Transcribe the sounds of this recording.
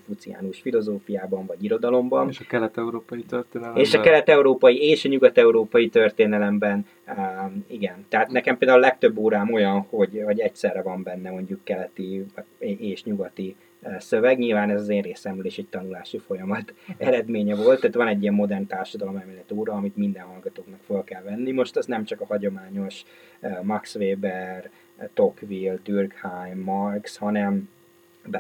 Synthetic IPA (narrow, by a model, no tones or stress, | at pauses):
fut̪sija̰ːnuʃfilo̞zoːfijaːbɒɱvɒɟiɾo̞d̪ɒlo̞mbɒnʃɒkɛlɛt̪ɛuɾoːpɒjit̪ørt̪eːnɛleːʃɒkɛlɛt̪ɛuɾoːpɒjieːʃɒɲuɡɒt̪ɛuɾoːpɒjit̪ø̞rt̪eːnɛlɛmbɛn | iɡɛnt̪ɛɦaːt̪nɛkɛmpeːld̪aːulɛk̚t̪ø̞bːoːɾaːmo̞jɒnho̞ɟɦɒɟɛcsɛrːɛvɒmbɛnːɛmo̞ɲɟukːɛlɛt̪i | eːʃɲuɡɒt̪i | sø̞vɛɡɲilvaːnɛzɒzeːnreːsɛmyleːʃɛc̚t̪ɒnulaːʃifo̞jɒmɒt̪ɛɾɛd̪meːɲɛvo̞lt̪ːaːt̪vɒnɛɟːijɛmːo̞d̪ɛrnt̪aːrʃɒd̪ɒlo̞mɛmɛlɛt̪oːɾɒːmit̪mind̪ɛnhɒlɡɒt̪oːknɒkfø̞lkɛlvɛnːimoʃt̪ɛst̪nɛmt͡ʃɒkɒhɒɟo̞maːɲo̞ʃ | mɒksveːbɛr | t̪o̞kvild̪yrkhajmːɒrkshɒnɛm | b